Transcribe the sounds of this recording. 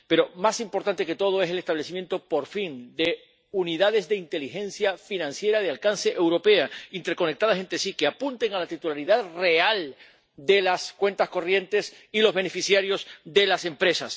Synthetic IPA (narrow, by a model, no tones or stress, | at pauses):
pe̞ɾo̞masimpo̞ɾt̪ant̪e̞ke̞t̪o̞ð̞oe̞sele̞st̪aβle̞simjẽ̞nt̪o̞po̞ɾfind̪e̞ | uniðað̞e̞zðe̞int̪e̞lixẽ̞nsjafinãnsje̞ɾaðealkanse̞ʔewɾo̞pe̞aint̪e̞ɾko̞nek̚t̪að̞asent̪ɾesikeapunt̪e̞ŋalat̪it̪ulaɾiðaðre̞al | d̪e̞laskwe̞nt̪asko̞rje̞nt̪e̞s | ilo̞zβe̞nefisjaɾjo̞zðe̞lase̞mpɾe̞sas